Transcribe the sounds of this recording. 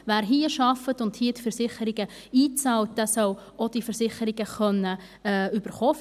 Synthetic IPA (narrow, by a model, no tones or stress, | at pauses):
ʋæːɾɦiːəʃɑfətʊnthiətfəɾsɪχəɾiɡ̥ə | iːt͡sɑːlt̚d̥̪æsœw | od̥ifəɾsɪχəɾiɡəχœnːə | ɛyb̥əɾχoː